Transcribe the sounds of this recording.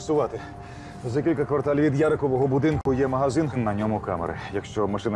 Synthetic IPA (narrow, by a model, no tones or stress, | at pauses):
sʊʋɑt̪ɪ | zɐkʲilʲkɐkʋɐrt̪alʲʋʲid̪jaɾɐkɔʋɔɦɔbʊd̪ɪnkʊjɛmɐɦɐzɪnɦnɐnʲɔmʊka̰mɐ̰ɾɪ̰jɐkʃt͡ʃɔmɐʂɪn